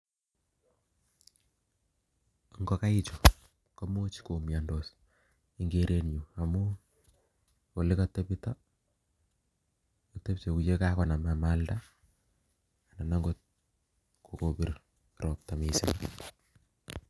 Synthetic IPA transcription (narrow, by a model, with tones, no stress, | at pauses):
ŋɡo˦ka˦ɪ˦t͡ʃo˨ | ka˦mo˦t͡ʃi̥˦ko˨mja˨ndos | iŋɡeɾe˦nju˨a˨mu˦ | o˨lɪ˦ka˦te˦pita˦ | ote˦pt͡ʃo˨ku˨t͡ʃe˦ka˦kɔ˨na˨ma˨ma˦lda˦ | a˨na˨na˦ŋɡot̚ | kʰo˨kopi˨r | ɾɔ˨p̚ta˨mi˨sɪ̰˨n